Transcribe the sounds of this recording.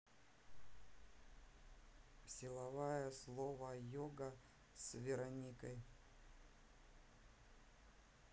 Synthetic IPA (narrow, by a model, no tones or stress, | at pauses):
sʲɪlˠɐvajəslˠovəjoɡə | svʲɪɾɐnʲikəj